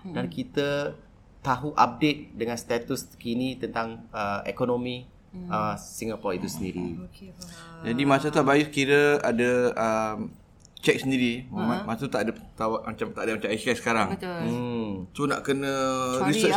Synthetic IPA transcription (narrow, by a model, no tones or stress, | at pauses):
dankit̪ə | t̪aɦuʔap̚det̪̚dəŋanst̪at̪uskinit̪ənt̪aŋəḛkonomi | əsiŋapɔrit̪usəndiɾḭ | d͡ʒadimasat̪uabajukiɾəadəəm | t͡ʃɛk̚səndiɾimmamasat̪ut̪aʔdət̪awaʔmat͡ʃamt̪aʔdəmat͡ʃamikasə̥kaɾaŋ̩ | sunaʔkənə̃ɾisət͡ʃ